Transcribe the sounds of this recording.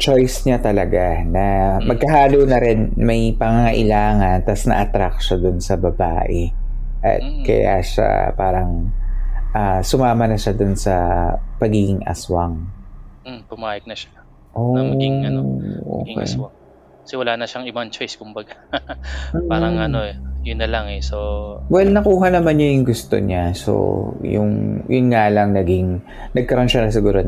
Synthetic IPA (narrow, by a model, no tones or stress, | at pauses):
t͡ʃojsɲat̪ɐlɐɡa | nɐmɐɡ̚kɐɦaːlunɐɾɪnmɐjpɐŋaŋɐʔɪlaːŋɐnt̪ɐsnɐ̰ʔɐt̪ɾak̚ʃod̪ʊnsɐbɐba̰ːʔɛ | ʔɐ̰t̪̚kɐ̰ja̰ʃa̰pa̰ːɾɐŋ | ʔasʊmaːmɐnɐʃad̪onsɐpɐɡiɡɪŋʔɐ̰swɐŋm̩pʊmaːjɪk̚nɐʃḁ | ʔomɐɐʔo̰ːkɛ̰jwa | sɪwɐlaːnɐʃaŋɪbɐnt͡ʃojskʊmbɐɡa | paːɾɐŋɐnoɛjʊnːɐlaŋɛsowɛlnɐkuːɦɐnɐmanɲojʊŋɡʊst̪o̞̰ɲaso̰jʊ̰ŋjʔʊnŋalɐŋnɐɡiŋ | nɐɡ̚kɐɾonʃanɐs̬ɪɡuːɾo